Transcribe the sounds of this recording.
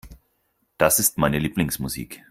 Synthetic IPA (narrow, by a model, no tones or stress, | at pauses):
d̥asɪstmaɪnəliːplɪŋsmuzḭːk